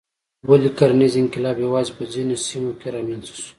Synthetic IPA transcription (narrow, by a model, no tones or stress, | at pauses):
walikaɾanizɪŋkɪlɑbjawɑzepəzinosimokeɾɑmanzḁʃu̥